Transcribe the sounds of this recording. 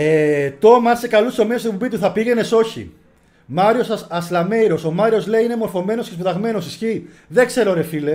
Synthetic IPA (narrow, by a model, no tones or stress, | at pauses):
et̪o̞mɐsekɐlust̪o̞meosopobit̪uθɐpiʝe̞ne̞so̞çḭ | maɾio̞sɐslɐme̞jɾo̞so̞mɐɾio̞zle̞iine̞mo̞ɾfo̞me̞no̞skesput̪ɐɣme̞no̞sisçi | ðe̞kse̞ɾoɾefile̞